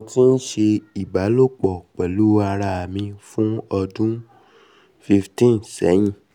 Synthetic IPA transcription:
ti˦n̩˦ʃe˧i˨ba˨˦lo˦˨k͡pɔ˨k͡pɛ˨lu˨˦a˧ɾa˧a˨mĩ˧fũ˦ɔ˧dũ˦ | fi˧ftĩ˦nsɛ˨˦j̃ĩ˦˨

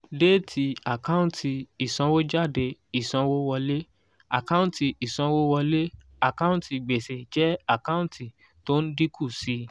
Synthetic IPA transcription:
de˦˨tʰi˧a˨kã˦ũ˨tʰi˧i˨sɔ̃˧wo˦d͡ʒa˦˨de˧i˨sɔ̃˧wo˦wɔ˧le˦ | a˨kã˦ũ˦ti˧i˨sɔ̃˧wo˦wɔ˧le˦ | a˨kã˦ũ˦ti˨ɡ͡be˨se˨d͡ʒɛ˦a˦˨kã˦ũ˦ti˨ | to˦n̩˦di˦kʰu˦˨si˧

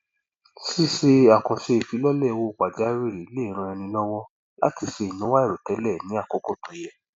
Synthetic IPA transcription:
si˦se˧a˨kɔ̃˨ʃe˧e˨fi˨˦lɔ˦lɛ˦˨˧wo˦˨k͡pa˨d͡ʒa˨˦ɾi˦˨ɾi˨˦le˦i˨˦ɾ̃ã˧ɛ˧nĩ˧lɔ˦wɔ˦ | la̰˨˦ti˦˨ʃe˧i˨nũ˨˦wa˦ɛ˦˨ɾo˨tɛ˨˦lɛ˦˨nĩ˨˦a˦˨kɔ˨˦ko˦˨tõ˨˦jɛ˧

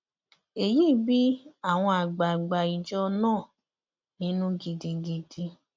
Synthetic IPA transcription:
e˨jiː˦˨bi˦a˦˨w̃ɔ̃˧a˨ɡ͡ba˨ɡ͡ba˨i˨d͡ʒɔ˦nãː˦˨ | nĩ˦nũ˦ɡi˨di˧ɡi˧di˧

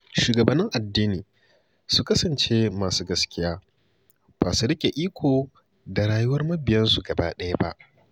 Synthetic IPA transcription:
ʃuː˨ɡɐ˨bɐ˦nːɪ˦ŋʔa˨dːiː˦niː˨ | su˦kɐ˦sɐ˨nt͡ʃeː˦maː˨suː˦ɡɐ˦skʲɪ˦jaː˦ | b̥aː˨su˦ɽɪ˦kʲe˨ʔiː˦kʷoː˨ | da˨ɽaː˨jʊ˦wɐ˦rmɐ˦bɪ˨jɐ˦nsu˨ɡɐ˨ba̰ː˦ɗɐ˦ja˦ba̰˦ʔ

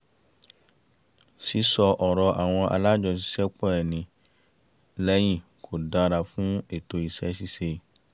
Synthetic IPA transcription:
si˨˦sɔ˧ʔɔ˨ɾɔ˧ʔa˨w̃ɔ̃˧ʔa̰˧la˦d͡ʒɔ˧s̬i̥˦sɛ˦k͡pɔ˦ɛ˨nĩ˧ | lɛ˦j̃ĩ˦˨ | kʰo˨dã˧ɾa˨fũ˦e˨to˨i˨sɛ˦si˦se˧˨

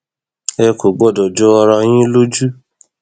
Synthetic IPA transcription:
ɛ˧ko˨ɡ͡bɔ˦˨dɔ˨d͡ʒɔ˦ɔ˧ɾã˧˦j̃ĩ˦lo˦d͡ʒu˦

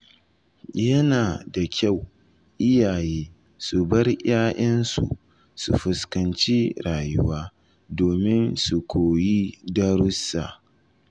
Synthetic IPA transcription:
jɐ˦naː˨da˨kʲʰa˦˨w | ʔɪ˦jaː˨jeː˦ | su˨bɐ˦rjaː˦ʔɐ˦nsṵ˨ | sṵ˨ɸʊ˨skɐ˨nt͡ʃi˦ɾaː˨jʊ˦waː˦ | doː˨mɪ˦nsu˨kʷʰoː˨ji˦dɐ˦ɾʊ˦sːa˨

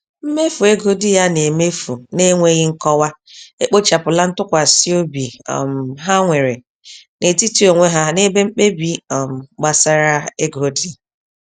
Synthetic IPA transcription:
m̩˦me˦fu˨e˦ɡo˦di˦ja˦ne˨me˦fu˨ne˦ŋʷe˦ɣɪ˦ŋ̩˦kɔ˦wa˦ | e˦k͡po˦t͡ʃa˨pʊ˨la˦n̩˦tʊ˦kʷa˨si˦o˦bḭ˨m˨ɦa˦ŋʷe˨ɾḛ˨ | ne˨ti˦ti˦o˨ŋʷe˦ɦa˦ne˦be˦m̩˦k͡pe˦bi˦˨m̩˨ɡ͡ba˨sa˦ɾa˦e˦ɡo˦di˦

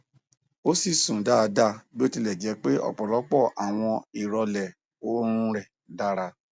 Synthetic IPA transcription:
o˦si˦˨sũ˨da˦˧da˦˨bi˦o˦ti˧lɛ˨d͡ʒɛ˧˦k͡pe˦ʔɔ̰˦˨k͡pɔ˨lɔ˨˦k͡pɔ˦˨ʔa˨w̃ɔ̃˧i˨ɾɔ˧lɛ˨ | o˦ɾ̃ũ˧ɾɛ˨ | da˦ɾa˧

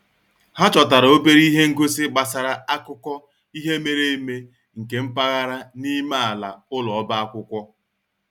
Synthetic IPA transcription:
ha˦t͡ʃɔ˨ta˨ɾo˦be˦ɾi˦ɦe˦ŋ̩˦ɡo˦sɪ˦ɡ͡ba˨sa˨ɾa˨a˦kʊ˦kʷɔ˦ | i˦ɦe˦me˨ɾe˦me˦ | ŋ̩˨ke˨m̩˦pa˦ɣa˦ɾa˦ni˦ma˦a˨la̰˨ʊ˦lɔ˨ɔ˦ba˦a˦kʷʊ˦kʷɔ˦

